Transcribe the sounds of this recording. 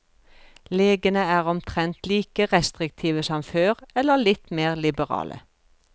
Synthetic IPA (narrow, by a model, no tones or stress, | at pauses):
leːɡənəæːʁɔmt̪ʰʁɛnt̪liːkəʁɛst̪ʁɪk̚t̪ʰiːʋəsɔmføːʁɛlːəlɪt̪meːʁlɪbəʁɑ̰ːlə̰